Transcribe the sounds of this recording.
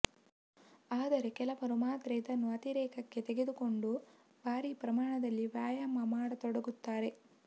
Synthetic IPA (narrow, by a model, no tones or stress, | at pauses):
aːd̪ɐɾe̞kɛlɐpɐɾumaːt̪ɾɛːd̪ɐnːuɐt̪iɾɛːkɐkːe̞t̪eɡe̞d̪uko̞ɳɖu | baːɾiːpɾɐmaːɳɐd̪ɐlːiʋjaːjamɐmaːɽɐt̪ɔɽɐɡut̪ːaːɾe̞